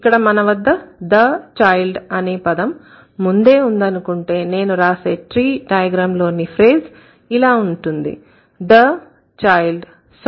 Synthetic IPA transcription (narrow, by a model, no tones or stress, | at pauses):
ikːɐɽɐmɐnɐʋɐd̪ːɐd̪ɐt͡ʃaːjlɖɐneːpɐd̪ɐmː | und̪e̞ːund̪ɐnukuɳʈe̞ːne̞ːnuɾaːse̞ːʈɾiːɖɐjɐɡɾaːmlo̞ːnipʰɾeːz | ilaːuɳʈund̪ḭ | d̪ɐ | t͡ʃaːjlɖ | s